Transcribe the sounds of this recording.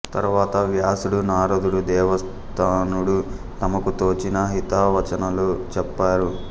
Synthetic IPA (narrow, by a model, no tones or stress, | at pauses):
t̪ɐ̰ɾʋaːt̪ɐʋjaːsuɽunaːɾod̪uɽud̪ɛːʋɐs | t̪ʰaːnuɽu | t̪ɐmɐkut̪oːt͡ʃinɐɦit̪aʋɐt͡ʃɐnɐlot͡ʃɛpːaːɾu